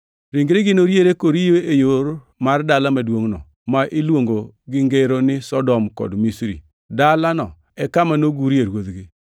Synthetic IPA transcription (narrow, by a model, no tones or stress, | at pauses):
ɾiŋɡɾeɡɪnoɾjeɾekoɾijoejoɾ | mardalamadwoŋnɔ̰ | maʔɪlwoŋɡo | ɡɪŋɡeɾonɪsɔdɔmkɔ̰dmisɾḭ | dalanɔ | ɛkamanoɡuɾieɾwoðɡɪ